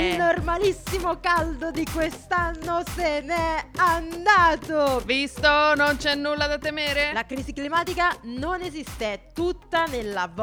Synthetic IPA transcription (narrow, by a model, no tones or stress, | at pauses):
ilnormalisːimokald̪od̪ikwest̪anːosenɛand̪aːt̪ovist̪onont͡ʃɛnːulːad̪at̪emeːɾelakɾiːziklimaːt̪ikanonezist̪et̪ːut̪ːanelːav